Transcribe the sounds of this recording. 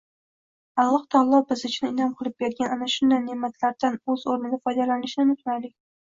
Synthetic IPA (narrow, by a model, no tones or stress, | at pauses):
alˠːɒht̪ʰalˠɒbɪzʊt͡ʃʰnɪɪnɒmqʰɨlˠɪp̚bʲeɾɡʲananaʃʊnd̪ajnemːat̪ʰlaɾd̪anɵz̥oɾnɪɡ̪ʲafɒjd̪alanɪʃnɪmʊt̪ʰnalɪk̚ʲ